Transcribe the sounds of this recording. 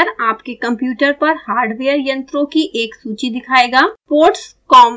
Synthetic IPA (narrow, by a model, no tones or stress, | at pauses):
əɾaːpkekɐ̃mpjuːʈəɾpɐɾhaːɾɖʋeːjəɾjɐ̃nt̪ɾõkiʔeːksuːt͡ʃid̪ɪkʰaːeːɡaːpoːʈspkɔːm